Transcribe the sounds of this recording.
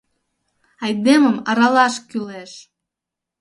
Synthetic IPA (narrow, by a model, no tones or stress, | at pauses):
ɑjd̪eməmɑɾɑlɑʃkyleʃ